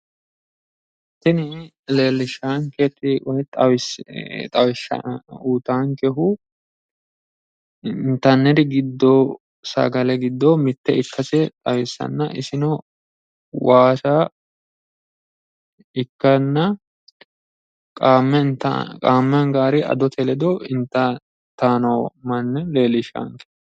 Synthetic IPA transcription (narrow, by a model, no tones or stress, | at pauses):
t̪ːɪnɪ | leːlːɪʃaːŋkɛt̪ʼːɪwɔjt̪ʼɐwɪst̪ʼɐwɪʃɐ̰uːt̪aːŋkɛɦʊ | nt̪ːɐnːɛd̪ɪɡɪd̪ːo | sɐ̰ɡɐlɛɡɪd̪ːomɪt̪ːɛɪkʰːɐsɛt̪ʼɐwɛsːɐ̰nːɐʔɪsɪnɔ | waːsa | ɪkːɐnːɐ | kʼaːmːɛt̪kʼaːmːɐŋɡaːɾɪɐ̰d̪ɔt̪ʰɛlɛd̪ɔɪnt̪ːɐ | t̪aːnɔːmɐnːɛleːlɪʃa̰ŋkɛ̥